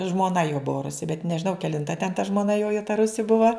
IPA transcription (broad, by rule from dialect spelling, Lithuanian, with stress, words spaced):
ʒmoːˈnɐ joː ˈbʊɐ ˈrʊsʲɪ bʲɛt nʲɛʒʲɪˈnɐʊ kʲɛlʲɪnˈtɐ tʲɛn tɐ ʒmoːˈnɐ ˈjoː jɛʊ tɐ ˈrʊsʲɪ ˈbʊʋɐ